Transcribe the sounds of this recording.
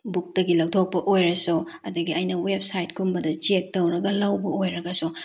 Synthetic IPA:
buk̚tɐɡilɐwtʰok̚pɐʔojɾɐso | ɐdɐɡiɐjnɐwebsajt̚kʰumbɐdɐt͡ʃek̚tɐwɾɐɡɐlɐwbɐojɾɐɡɐso

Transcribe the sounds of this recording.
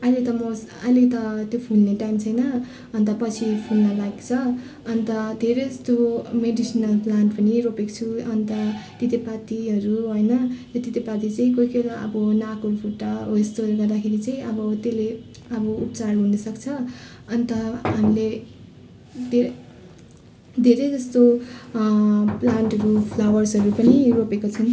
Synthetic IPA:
ʌjlet̪ʌmʌs | ʌjlet̪ʌt̪jopʰulneʈajmt͡sʰʌjnʌ | ʌnt̪ʌpʌt͡sʰipʰulnʌlaɡt͡sʰʌ | ʌnt̪ʌd̪ʱeɾest̪omeɖisinʌlplanʈpʌniropekt͡sʰuʌnt̪ʌt̪it̪epat̪iɦʌɾuɦojnʌt̪jot̪it̪epat̪it͡saĩkojkeɾaʔʌ̰bʌnakopʰuʈːʌest̪oɡʌrd̪akʰeɾit͡saĩʌbʌt̪ele | ʌbʌup̚t͡sarɦunʌsʌkt͡sʰʌ | ʌnt̪ʌɦamile | d̪ʱe | d̪ʱeɾejd͡zʌst̪o | plaɳʈɦʌɾupʰlawʌrsɦʌɾupʌniropekot͡sʰʌn

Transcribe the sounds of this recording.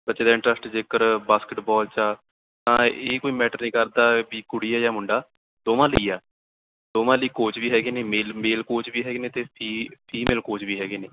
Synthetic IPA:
bət͡ʃeːd̪aːɪ̃ɳʈɾəsʈd͡ʒeːkəɾbaːskɪʈbɔːlt͡ʃaː | t̪ãːeːkoːiːmɛːʈəɾnĩːkəɾd̪aːbiːkʊɽiːaːjaːmʊɳɖaː | d̪oːʋãːləiːaː | d̪oːʋãːləiːkoːt͡ʃbiːɦɛːɡeːneːmeːlmeːlkoːt͡ʃbiːɦɛːɡeːnẽːt̪eːpʰiːpʰiːmeːlkoːt͡ʃbiːɦɛːɡeːneː

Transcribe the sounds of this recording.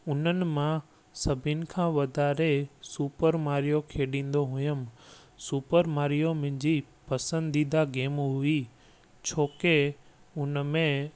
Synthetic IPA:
ʊnənɪ̆mã | sɐbʱɪnɪ̆kʰãːʋɐd̪ʱaːɾesuːpəɾmaːɾijokʰeːɗĩːn̆d̪oɦʊjəm | suːpəɾmaːɾijomɪ̃ɪ̃ɲd͡ʑipɐsə̃nd̪iːd̪aɡeːmɦʊi | t͡ɕʰoːke | ʊnəmẽ

